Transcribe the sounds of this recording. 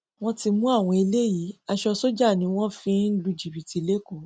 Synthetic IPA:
w̃ɔ̃˦ti˧mũ˦a˦˨w̃ɔ̃˧i˧le˦ji˨˦a˧ʃɔ˧so˦d͡ʒa˦˨nĩ˨˦w̃ɔ̃˦fĩ˦lu˧d͡ʒi˨bi˨ti˨˧le˦ko˦˨

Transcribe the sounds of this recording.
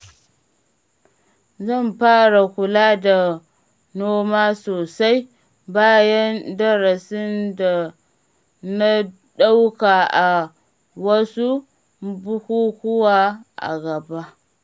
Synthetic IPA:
zɐ˦˨mɸaː˦ɾa˨kʷʊ˨laː˦da˨ | noː˦ma˦soː˨sa˦j | baː˦jɐ˦ndɐ˦ɾa˨sɪ˦nda˨ | na˦ | ɗa˦wka˨ʔa˨ | wɐ˦su˦ | bu˦hu˦hʊ˦wa˦ʔa̰˨ɡɐ˨ba˦

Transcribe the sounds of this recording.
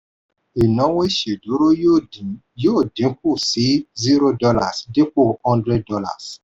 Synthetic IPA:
i˨nɔ̃˨˦we˦i˦˨ʃe˨du˨˦ɾo˦˨ | joː˦˨dĩ˨˦k̚u˦˨si˨˦zi˦ɾo˦dɔ˧la̰˦˨sde˦k͡po˦˨hɔ̃˦ndɾɛ˦d̚dɔ˧la̰˦˨s

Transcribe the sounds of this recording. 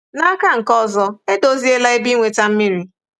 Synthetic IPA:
na˦ka˦ŋ̩˨kɔ˦˨zɔ˦e˦do˦zi˦e˦la˦e˦bi˦ŋʷe˨ta˦m̩˦mi˦ɾi˨

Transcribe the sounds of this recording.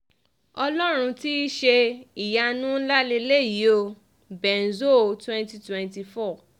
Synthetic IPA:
ɔ˧lɔ˦ɾ̃ũ˧ti˦i˦ʃe˧i˨ja˧nũ˦n̩˦la˦le˧le˦˨ji˨˦o˧ | bɛ˨n̩˨zo˦˨twɛ̃˦nti˧twɛ̃˨nti˧fɔ˦˨

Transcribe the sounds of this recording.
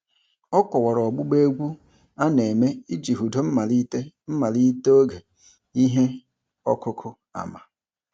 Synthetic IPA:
ɔ˦kʷɔ˨wɔ˨ɾɔ˨ɡ͡bʊ˦ɡ͡be˦ɡʷu˦ | a˦ne˨me˦i˦d͡ʒi˨ɦu˨do˨m̩˦ma˨li˦te˦ | m̩˦ma˨li˦te˦o˦ɡe˨ | i˦ɦe˦ | ɔ̰˦kʊ˦kʰʊ˦ | a̰˨ma˨

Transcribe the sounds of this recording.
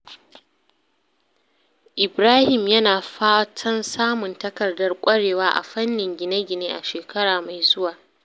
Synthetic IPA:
ʔɪ˨bɾaː˦hɪ˨mjɐ˦naː˨ɸaː˦tʰɐ˦nsaː˦mʊ˨ntɐ˦kɐ˨rdɐ˦rkʷʼɐ˦ɽeː˨waː˦ʔa̰˨ɸɐ˦nːɪ˨ŋɡʲɪ˨nɐ˦ɡʲɪ˨neː˦ʔa̰˨ʃeː˨kɐ˦ɽaː˨ma˨jzʊ˦waː˨

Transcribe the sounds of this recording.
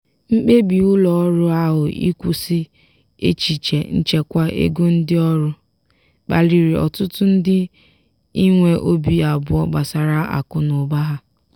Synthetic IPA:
ŋ͡m̩˦k͡pe˦bi˨ʊ˦lɔ˨˦ɾʊ˦a˦ɦʊ˨ʔḭ˦kʷu˨sɪ˦ | ḛ˦t͡ʃi˨t͡ʃe˨n̩˦t͡ʃe˦kʷa˦ʔḛ˦ɡu˦n̩˦dɪ˦ɔ˦ɾʊ˦ | k͡pa̰˨li˨ɾi˨ɔ̰˨tʊ˦tʊ˦n̩˦dɪ˦ | i˦ŋʷe˦ʔo˦bi˦a˨bʊ˦ɔ˦ɡ͡ba˨sa˨ɾa˦a̰˨kʊ˨nʊ˨ba˦ɦa˦

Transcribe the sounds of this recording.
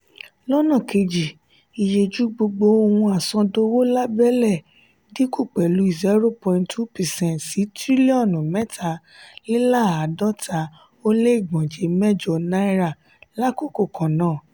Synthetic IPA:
lɔ˦nã˦˨ke˧d͡ʒi˨ | i˨je˧d͡ʒu˨˦ɡ͡bo˧ɡ͡bo˧˦o˧wũ˧a˨sɔ̃˧do˧wo˦la˦bɛ˦lɛ˦˨ | di˨˦ku˦˨k͡pɛ˨lu˨˦i˦˨zɛ˦ɾo˦pɔ̃˧ĩ˧ntʰu˦pɛ˨sɛ̃˦ntsi˨˦tɾi˦li˦ɔ̃˦˨nũ˨mɛ˦tʰa˧ | li˦la˦˨a˨dɔ˦tʰa˨˦ | o˦le˦i˦˨ɡ͡bɔ̃˨d͡ʒe˨˦mɛ˦d͡ʒɔ˨na˦i˦ɾa˦˨ | la˦ko˦˨ko˦˨kʰã˨nãː˨˦˨

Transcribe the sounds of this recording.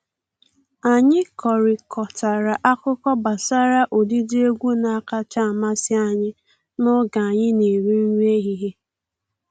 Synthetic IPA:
a˨ɲɪ˦kɔ˨ɾɪ˨kʰɔ˨ta˨ɾa˨ʔa˦kʊ˦kɔ˦ba˨sa˦ɾa˦ʔo˨di˦di˦e˦ɡʷu˦na˨a˦˨ka˦t͡ʃa˦a˨ma˦sɪ˦a˨ɲɪ˦ | nʊ˦ɡa˨a˨ɲɪ˦ne˨ɾe˦n̩˦ɲ˦e˦ɦi˦ɦe˦

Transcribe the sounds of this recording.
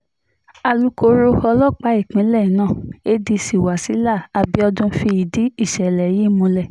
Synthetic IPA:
a˧lu˦ko˧ɾo˧ɔ˧lɔ˦k͡pa˨˦i˦˨k͡pĩ˨˦lɛ˦˨nãː˦˨e˦di˧si˨wa˨si˨˦la˦˨a˨bi˦ɔ˧dũ˧fi˧i˨di˨˦i˦˨ʃɛ˨lɛ˨ji˦˨mũ˧lɛ˦˨

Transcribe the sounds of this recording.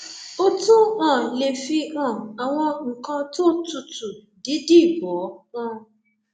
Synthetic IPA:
o˦tũ˦ã˨le˨fi˧ã˦˨a˨w̃ɔ̃˧ŋ̩˨kã˧to˦tu˧tu˨ | di˨˦di˦˨bɔ˨˦ã˦˨

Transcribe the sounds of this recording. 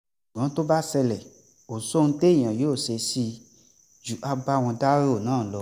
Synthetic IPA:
ɡã˨˦to˦ba˦sɛ˧lɛ˨ | o˨so˦ñ̩˦te˦˨j̃ã˨joː˦˨se˧si˧ | d͡ʒu˨˦ʔa˧ba˦˨w̃ɔ̃˧da˦ɾo˦˨nãː˦˨˦lɔ˧˦

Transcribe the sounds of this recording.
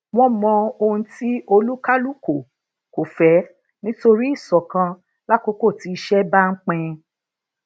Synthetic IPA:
w̃ɔ̃˦mɔ̃˧o˧ũ˧ti˦o˧lu˦ka˦lu˦˨ko˨ | ko˨fɛ˨˦ | nĩ˦to˧ɾi˦i˦˨sɔ˨kã˧ | la˦ko˦ko˦˨ti˨˦i˧ʃɛ˦ba˦ŋ̩˦k͡pɛ̃˧

